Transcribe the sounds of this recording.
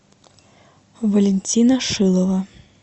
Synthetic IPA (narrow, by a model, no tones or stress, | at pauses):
vɐlʲɛnʲt͡sʲinɐʂɨlˠɔvɐ